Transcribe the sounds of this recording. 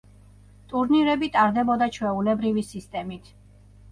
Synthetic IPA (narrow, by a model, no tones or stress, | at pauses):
t̪ʼuɾniɾɛbit̪ʼaɾd̪ɛbɔd̪at͡ʃʰwɛulɛbɾivisist̪ʼɛmit̪ʰ